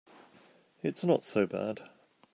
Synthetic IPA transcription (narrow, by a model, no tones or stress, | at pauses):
ɪtsnətsəʊbæ̰d̥